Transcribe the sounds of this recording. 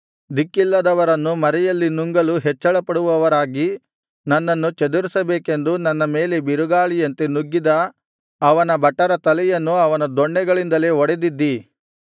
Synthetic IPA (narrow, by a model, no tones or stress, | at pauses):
d̪ikːilːɐd̪ɐʋɐɾɐnːumɐɾɛjɐlːinuŋɡɐluɦɛt͡ʃːɐɭɐpɐɽuʋɐʋɐɾaːɡi | nɐnːɐnːut͡ʃɐd̪uɾisɐbeːkend̪unɐnːɐme̞ːlebiɾuɡaːɭijɐnt̪enuɡːid̪ɐː | ʋɐnɐbɐʈːɐɾɐt̪ɐlɛjɐnːuɐʋɐnɐd̪ɔɳːɛɡɐɭind̪ɐle̞ːɔɽed̪id̪ːi